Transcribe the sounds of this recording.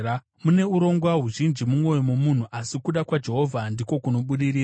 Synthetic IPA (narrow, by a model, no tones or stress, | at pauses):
mune̞uɾo̞ŋɡwaɦuʒind͡ʒimumo̞jomomun̤uʔasikuɗakwad͡ʒe̞ɦo̞vʱandiko̞kuno̞ɓuɗiɾiːa